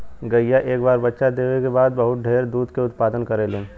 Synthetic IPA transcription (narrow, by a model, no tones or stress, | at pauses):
ɡɐjaʔeːkbaːɾbɐtːʃad̪eːwekebaːd̪̚bɐɦʊt̪̚ɖʱeːɾd̪uːd̪keʊt̪paːd̪ənkɐɾeleːn